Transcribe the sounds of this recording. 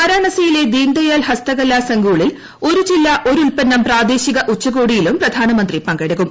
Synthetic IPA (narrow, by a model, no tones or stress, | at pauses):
mɐɾaːɳɐsɐjile̞d̪iːɳɖɐjalhɐst̪ɐɣɐlːasɐŋɡuːɭil | o̞ɾut͡ɕilːɐʔo̞ɾulpɐnːɐmpraːd̪e̞ːɕiɣɐʔut͡ɕːɐɣoːɽijilumprɐd̪ʱaːnɐmɐnd̪ripɐŋɡɐɽɐɣum